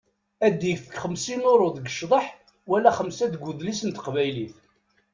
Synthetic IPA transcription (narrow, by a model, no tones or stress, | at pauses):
æd̪ifə̥kχəmsinoɾˤoðəɡə̥ʃðˤəħ | wælːæχəmsæðɡuðlisənt̪ə̥qvæjliθ